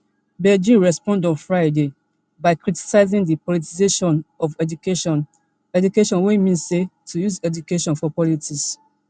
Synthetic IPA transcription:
bɛd͡ʒĩnɹɛspɔ̃ndɔ̃nfɹaɪde | baɪkɹiti̥saɪzĩŋdipɔlitizeʃɔ̃nɔvɛd͡ʒukeʃɔ̃n | ɛd͡ʒukeʃɔ̃nwemĩnsetʰujuzɛdukeʃɔ̃nfɔpɔlitʰis

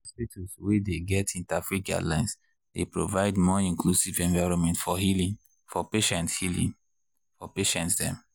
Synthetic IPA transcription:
stitʰuswedeɡɛtʰĩntafiɡa̰lãɪ̃ns | d̥epɹovaɪdmɔĩŋklusivɛ̃ɱvaɪɹɔ̃nmɛ̃ntfɔɦilĩŋ | fɔpeʃɛ̃nthilḭ̃ŋ | fɔpeʃɛ̃ntsdɛ̃m

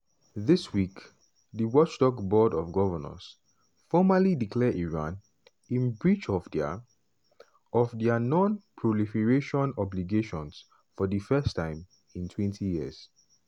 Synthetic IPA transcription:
ðɪswik | ðəwɔt͡ʃtɔkbɔdɔfɡɔvəna̰s | fɔmalidikʰlɛiɹãn | ĩnbɹit͡ʃɔf | ɔvdɛənɔ̃npʰɹɔlifɛɹeʃɔ̃nɔbliɡeʃɔ̃ns | fɔdəfɛstʰãɪ̃m | ĩntʰwɛ̃ntʰijiəs

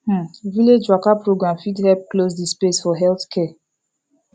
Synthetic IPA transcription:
h̩viled͡ʒwakapɾoɡɾãmfidhɛlp̚klos̬dispesfɔɦɛlθkʰɛ

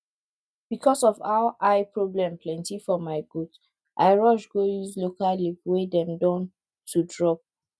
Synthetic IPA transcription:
b̥ikʰɔsɔvaʊʔaɪpɹoblɛ̃mpʰlɛ̃ntifɔmaɪɡut | ʔaɪɹɔʃɡojuzlokallipwedɛ̃mdɔ̃n | tʰudɹɔp̚

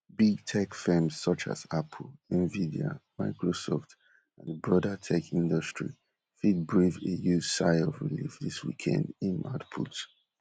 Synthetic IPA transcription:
biɡ̚tʰɛkfɛmzsʌt͡ʃa̰zapʰl̩ɛ̃nvidio̰maɪkɹosɔft | ãnbɹɔdətʰɛkĩndɔstɹi | fid̚bɹivejusaɪɔvɹḭlḭfðiswḭkʰɛ̰̃ndĩnmʔa̰dpʰut

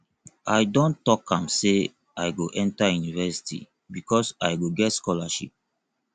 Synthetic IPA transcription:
ajdõntːɔkʰãmse | ajɡoʔɛ̃ntajunivɛsi̥tʰḭ | bikʰɔsajɡoɡɛtskɔlaʃḭp̚

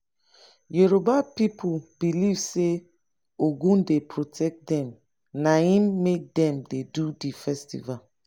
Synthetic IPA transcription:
jeɾobapipʰub̥ilivse | oɡũndepʰɹotʰɛk̚dɛ̃m | naĩmːek̚dɛ̃mdedudifɛstḭval

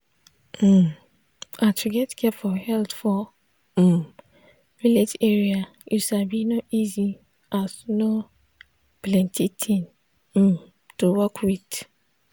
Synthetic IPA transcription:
m̩ | atuɡɛtkʰɛfɔhɛltfɔ | ɹileteɹia | jusabinoʔizi | ʔazno | plɛ̃ntʰitʰĩn̩ | towɔkʰwid

